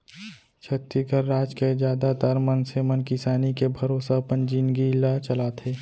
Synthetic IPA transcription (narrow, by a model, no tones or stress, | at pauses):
t͡ʃʰət̪ːikəɾːaːd͡ʒked͡ʒjaːd̪at̪əɾmənsemənkɪsaːnikebʱəɾoːsapənd͡ʒiːnɡilat͡ʃəlaːt̪ʰeː